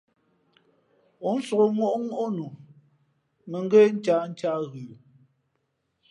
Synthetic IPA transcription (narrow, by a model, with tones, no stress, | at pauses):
o˨˦n̩˦so˨ɣo˨mwo˦ʔŋu˦ʔo˦nu˨ | me˨ŋ˦ɡe˦n̩˦t͡ʃaː˦n̩˦t͡ʃa˦ɣʉ˨